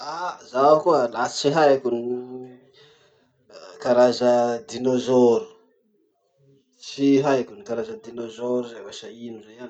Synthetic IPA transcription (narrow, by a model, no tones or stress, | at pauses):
azaakuəlasi̥t͡ʃiɦajakʲuni | kaɾazəd̪inozoɾu̥ | t͡ʃiɦaakunikaɾazəd̪inozoɾuzawaʃainurean